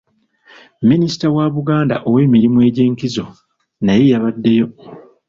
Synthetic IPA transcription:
minisi̥tawaβuɡaːnda̰ʔowe̞ːmiɾimue̞ːɟe̞ːŋkizo̞ | naje̞jaβadːe̞jo̞

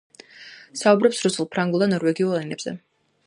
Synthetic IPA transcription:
saubɾɔpsɾusulˠpʰɾaŋɡulˠd̪anɔɾwɛɡiulˠɛnɛbz̥ɛ̰

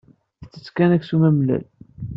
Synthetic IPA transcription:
θt͡sːə̥t͡sːkænæksumæmlæ̰l

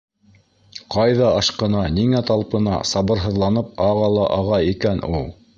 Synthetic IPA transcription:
qʰɑjðɑɑʃqɤ̆nɑniŋæt̪ɑlˠpɤ̆nɑ̰sɑβɤ̆ɾɦɤ̆ðlˠɑnɤp̚ɑʁɑlˠɑʔɑʁɑikænulˠ

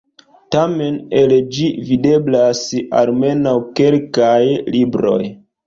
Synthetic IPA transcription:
tame̞ne̞ld͡ʒivide̞blasa̰lme̞nawke̞lkajlibɾo̞̰j

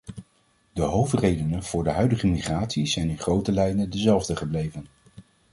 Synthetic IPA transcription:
dəɦowftrejdənənv̥ʊːɹdəɦœɥdəχəmiχraːtsizɛjnɪnχrowtəlɛjnədəzɛlˠvdəχəblejvən

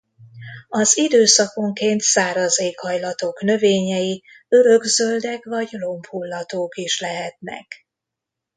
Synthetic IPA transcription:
ɒzid̪øːsɒko̞ŋkeːnt̪saːɾɒzeːkhɒjlɒt̪o̞knø̞veːɲɛji | ø̞ɾøɡzøld̪ɛkʋɒɟlo̞mphulːɒt̪oːkiʃlɛɦɛt̪̚nɛ̰k

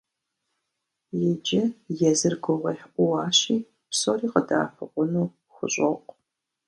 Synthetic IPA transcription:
jɛd͡ʒɐjɛzɨrɡʷɔʁʷɐħʔʷʊwɑːɕiː | psoːriːqəda̰ːfʷɨqʷʼʊnuː | xʷʊɕʼɐqʷ

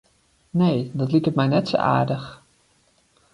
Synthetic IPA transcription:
nejdɑtlikətmɛjnɛtso̰ʔa̰ːɹdəx

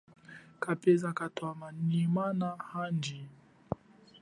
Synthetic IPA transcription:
kapɛzakatwamanimanahand͡ʒi

